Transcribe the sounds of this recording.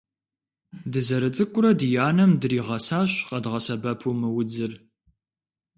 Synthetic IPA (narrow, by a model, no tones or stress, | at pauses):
dɨzɐɾɨt͡sʼɨkʷʼʊɾɐdɨjaːnɐmdɨriːʁɐsaːɕqɐdʁɐsɐbɐpʰumɨwʊd͡zɨr